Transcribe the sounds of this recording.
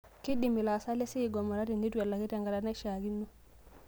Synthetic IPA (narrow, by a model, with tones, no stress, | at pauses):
ki˦di˨mi˨la˨sa˦le˦si˦˨ɡɔ˨mɔ˨ɾa˦ti˨ni˦tu˦ɛ˨lːa˨ki˦tɛ˨ŋɡa˨ɾa˨na˦ʃa˨ɡi˦nːu˦